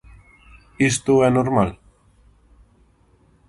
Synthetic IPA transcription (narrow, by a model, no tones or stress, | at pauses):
ɪst̪oɛnoɾmal